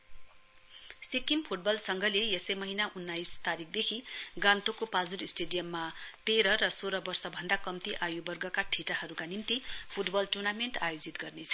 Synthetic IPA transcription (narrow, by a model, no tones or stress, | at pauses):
sekimpʰuʈ̚bʌlsʌŋɡʌleesʌjmʌɦinaʔunːajst̪aɾikʰd̪ekʰiɡãnt̪okopald͡zuɾisʈeɖijʌmːat̪eɾʌɾʌsoɾʌbʌrsʌbʱʌnd̪akʌmt̪iʔajubʌrɡʌkaʈʰiʈaɦʌɾukanimt̪ipʰuʈbʌlʈurnameɳʈajod͡zit̪ɡʌrnet͡sʰʌ̥